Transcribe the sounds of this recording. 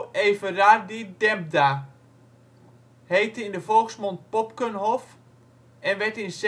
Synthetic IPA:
eːvərardidɛmp̚da | hejtəindəfolˠksmɔnt̚pɔpkənɦɔf | ɛnʋɛtins

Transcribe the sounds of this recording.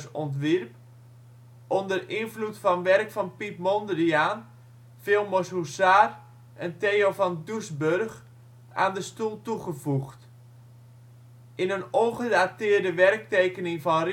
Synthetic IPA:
sɔntʋirp̚ | ʔɔndərɪnflutfɔnʋɛrkfɔnpip̚mondəriaːn | fɪlˠmɔsusaːr | ʔənteːofɔndusbørx | a̰ːndəstulˠtuχəvuxt | ʔɪnənonχədatɪːrdəʋɛrk̚teːkənɪŋvɔnr

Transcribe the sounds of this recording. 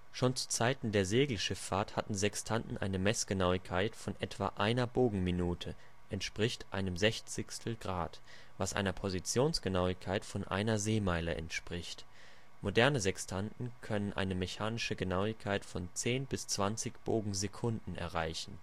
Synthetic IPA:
ʃoːnt͡su̥t͡saɪtn̩deːɐzeːɡl̩ʃɪfaːɐthatn̩zɛkstʰantn̩ʔa̰ɪnəmɛsɡ̥ənaʊɪçkʰaɪtfɔnʔɛtv̥a̰ːʔaɪnɐboːɡŋ̩minuːtʰə | ʔɛntʃpʁ̥ɪçtʔa̰ɪnəmzɛçt͡sɪçstʰl̩ɡʁaːt | vasʔa̰ɪnɐpʰozit͡sjoːnsɡ̥ənaʊɪkʰaɪtfɔnʔa̰ɪnɐzeːmaɪləʔɛ̰ntʃpʁ̥ɪçt | modɛɐnəzɛkstʰantn̩kʰœnənʔa̰ɪnəmeçaːnɪʃəɡənaʊɪçkʰaɪtfɔnt͡seːnbɪst͡sv̥ant͡sɪçb̥oːɡŋ̩zekʰʊndn̩ɛ̰ɐʁaɪçn̩

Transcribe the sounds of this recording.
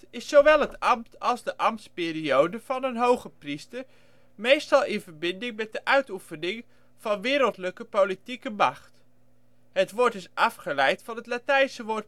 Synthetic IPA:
ɪsːowʋɛlˠɦətɑmtɑlˠzdəʔɑmtspɪːɾiowdəv̥ɑnənɦowχəpristəɹ | mejstɑlˠɪnvəɹbɪndɪŋmɛt̚dəʔœɥtufənɪŋ | v̥ɑnʋɪːɾəlˠtləkəpowlitikəmɑχt | ɦətʋʊːɹtɪsʔɑfχəlɛjtfɑnɦətlatɛjnsəʋʊːɹt

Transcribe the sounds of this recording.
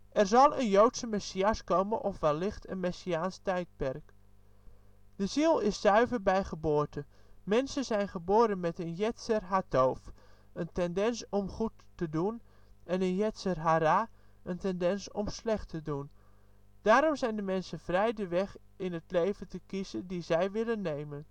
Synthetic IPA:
ʔɛrzɑlˠənjowtsəmɛsiaskoːmənʔɔfʋɛlɪxtʰə̰nmɛsiaːnstɛjt̚pɛrk | d̥əzilˠɪsːœɥvərbɛjχəboːrtən | mɛnsənzɛjnχəboːɾənmɛtənjɛtsərɦatoːf | əntɛndɛnsɔmχutː | ədun | ʔɛnənjɛtsərɦaɾa | əntɛndɛnsɔmslɛχtʰədun | d̥aːɾɔmzɛjndəmɛnsənvrɛjdəʋɛχ | ɪnətlejvətəkizədizɛjʋɪlənːejmən

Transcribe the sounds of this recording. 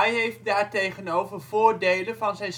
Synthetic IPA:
jɦejft̚daːɹtejχənowvərv̥ʊːɹdejlənvɑnzɛjn

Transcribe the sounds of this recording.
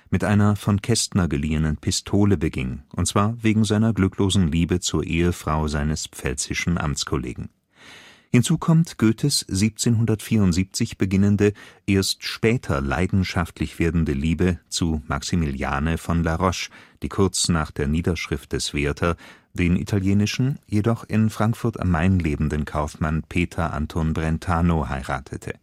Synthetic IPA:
mɪtʔaɪnɐfɔnkʰɛstnɐɡəliːənənpʰɪstʰoːləbəɡɪ̰nʔʊntt͡sv̥aːɐveːɡŋ̩zaɪnɐɡlʏkloːzn̩liːbət͡suːɐʔeːəfʁ̥aʊzaɪnəspp͡fɛlt͡sɪʃn̩ʔa̰mt͡skʰolḛːɡŋ̩ | hɪnt͡suːkʰɔmtɡ̥øːtʰəsz̥iːp̚t͡seːnɦʊndɐtfiːɐʊntz̥iːp̚t͡sɪçb̥əɡɪnəndəʔeːɐstʃpɛːtʰɐla̰ɪdn̩ʃaftlɪçv̥eːɐdn̩dəliːbət͡suma̰ksimilja̰ːnəfɔnlaʁɔʃd̥iːkʰʊɐt͡snaːχd̥eːɐniːdɐʃʁ̥ɪft̚d̥ɛsv̥eːɐtʰɐ | d̥eːnʔḭtʰaljeːnɪʃn̩jedɔχɪnfʁ̥aŋkfʊɐta̰mːaɪnleːbn̩dənkʰaʊfmanpʰeːtʰɐʔa̰ntʰonbʁɛntʰaːnohaɪʁa̰ːtʰətʰə̰

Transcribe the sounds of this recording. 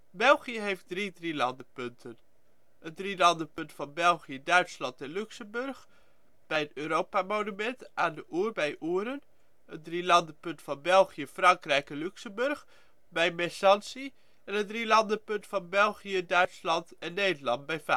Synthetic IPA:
bɛlˠχijəɦejft̚dridrilɑndəpɵntʰən | əndrilɑndəpɵntfɑnbɛlˠχijədœɥtslɑntɛnlyksəmbɵrχ | b̥ɛjənøːɾowpamonymɛntʔaːndəʔuːrbɛjʔuːɾən | əndrilɑndəpɵntfɑnbɛlˠχijəfrɑŋkrɛjkɛnlyksəmbɵrχ | bɛjmɛsɑnsi | ɛnətdrilɑndəpɵntfɑnbɛlˠχijədœɥtslɑntɛnːeːdərlɑntbɛjfa

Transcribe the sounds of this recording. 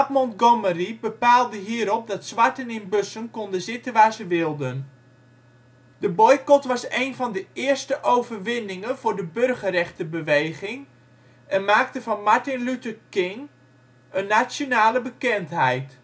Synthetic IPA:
ap̚mɔntɡoməribəpaːlˠdəɦiːəɾɔp̚dɑtsʋaɹtənɪnbøsənkɔndəzɪtənʋaːɹzəʋɪlˠdən | dəbɔjkɔtʋɑsejnvɑndəɪərstəʔowvərʋɪnɪŋənvʊːɹdəbørɣərɛχtəbəʋejχɪŋ | ʔɛnmaːk̚təvɑnmaɹtɪnlytəkɪŋ | ənːasjonaːləbəkɛntɦɛjt

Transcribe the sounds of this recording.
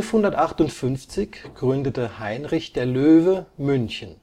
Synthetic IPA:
lfhʊndɐtʔaχtʊntfʏnft͡sɪçɡ̥ʁʏndətəhaɪnʁɪçd̥eːɐløːvəmʏnçən

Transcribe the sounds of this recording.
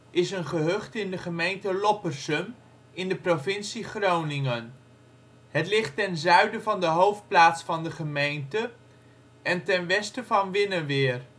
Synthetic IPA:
ɪsənχəɦɵχtɪndəχəmejntəlɔpərsəm | ɪndəprovɪnsiχrownɪŋən | ɦətlɪχtɛnzœɥdəvɑndəɦowft̚plaːtsfɑndəχəmejntə | ɛntɛnʋɛstəvɑnʋɪnəʋɪːr

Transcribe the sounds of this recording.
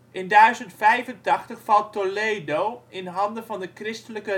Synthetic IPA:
ʔɪndœɥzəntfɛjvəntɑχtəχfɑlˠtːoleːdowɪnɦɑndəvɑndəkrɪstələkə

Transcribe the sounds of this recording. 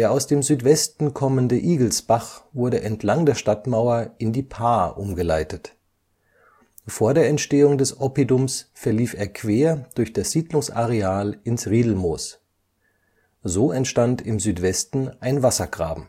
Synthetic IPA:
deːɐʔaʊsd̥eːmzyːtv̥ɛstn̩kʰɔməndəʔiːɡl̩sb̥aχvʊɐɾəʔɛntʰlaŋdeːɐʃtatmaʊɐʔɪndiːpʰaːʔʊmɡəlaɪtət | foːɐdeːɐɛntʃteːʊŋdɛsʔɔpidʊmsfɛɐliːfeːɐkʰv̥eːɐd̥ʊɐçd̥asz̥iːdlʊŋsʔaʁeaːlɪnsʁiːdl̩moːs | zoːɛntʃtantɪmzyːtv̥ɛstn̩ʔaɪnvasɐɡ̥ʁa̰ːbm̩

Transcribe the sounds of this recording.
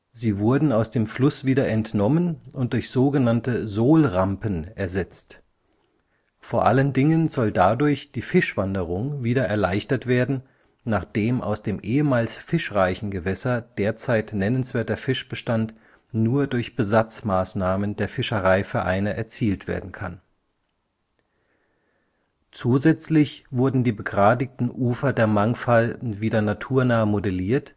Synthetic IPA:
ziːvʊɐdn̩aʊsd̥eːmflʊsv̥iːdɐʔɛntnɔmənʊnt̚d̥ʊɐçz̥oːɡənantəzoːlʁampənɛɐzɛt͡st | foːɐʔaləndɪŋənzɔldadʊɐçd̥iːfɪʃv̥andəʁ̞ʊŋviːɾɐʔɛɐlaɪçtɐtv̥eːɐdn̩ | naːχd̥eːmʔa̰ʊsd̥eːmʔeːəmaːlsfɪʃʁaɪçn̩ɡəvɛsɐd̥eːɐt͡saɪtnɛnənsv̥eːɐtɐfɪʃb̥əʃtant | nuːɐdʊɐçb̥əzat͡smaːsnaːməndeːɐfɪʃəʁaɪfɛɐʔa̰ɪnəʔɛɐt͡siːltv̥ḛːɐdn̩kʰa̰n | t͡suːzɛt͡slɪçv̥ʊɐdn̩diːbəɡʁaːdɪk̚tn̩ʔuːfɐdeːɐmaŋfalv̥iːdɐnatʰuːɐnaːəmodɛliːɐt

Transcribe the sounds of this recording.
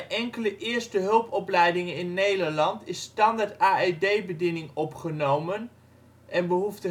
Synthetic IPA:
ʔɛŋkələʔɪːɹstəɦɵlˠpɔplɛjdɪŋənɪnːejdəɹlɑntɪsːtɑndaɹtaːedejbədinɪŋɔpχənowmən | ʔɛnbəɦuftə

